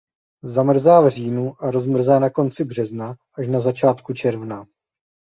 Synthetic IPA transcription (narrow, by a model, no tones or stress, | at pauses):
zamr̩zaːvr̝iːnuʔaɾo̞zmr̩zaːnako̞nt͡sɪbr̝ɛznaʔaʃnazat͡ʃaːt̪kut͡ʃɛɾvna